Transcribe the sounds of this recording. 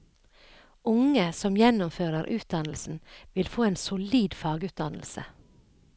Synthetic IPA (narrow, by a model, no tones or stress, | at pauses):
ʊŋəsɔmjɛnʊmføːɾəɾʔʉːt̪̚d̪ɑnl̩sn̩ʋɪlfoːeːnsʊliːd̪fɑːɡʉːt̪̚d̪ɑnl̩sə̰